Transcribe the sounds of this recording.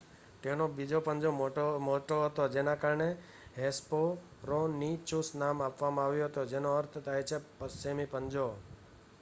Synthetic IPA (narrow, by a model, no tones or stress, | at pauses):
t̪enobid͡ʒopəɲd͡ʒomoʈoɦət̪od͡ʒenakaɾɳe | ɦespo | ɾonit͡ʃusnamapʋamãaʋjoɦət̪od͡ʒenoəɾt̪ʰt̪ʰaet͡ʃʰepəsemipəɲd͡ʒo